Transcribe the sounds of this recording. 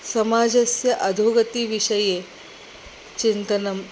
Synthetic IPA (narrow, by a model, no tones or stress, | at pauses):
sɐmad͡zɐsjɐʔɐd̪ʱoɡɐt̪iːʋiʂɐje | t͡ɕint̪ɐnɐm